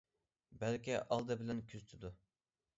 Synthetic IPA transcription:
bælkʲiʔɑlˠd̪ɨbɪlɛnkʲʰyzt̪ʰyd̪u

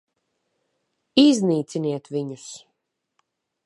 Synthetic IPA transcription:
izniːt̪siniɛt̪viɲus

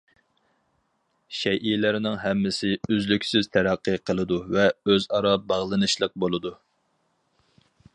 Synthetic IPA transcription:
ʃɛʔilɪɾɪnɪŋɦɛmːɪsɪyzlykʲsyzt̪ʰæɾæqːɨqʰəlˠɨd̪uvɛøzɑɾɑbɑʁlˠɨnɨʃlˠəq̚bolˠɨd̪u

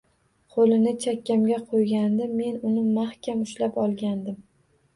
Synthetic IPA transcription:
qʰolɪnɪt͡ʃʰakʲːamɡʲaqʰojɡʲand̪ɪme̞nʊnɪmaχkʲamʊʃlapɒlˠɡʲand̪ɪm

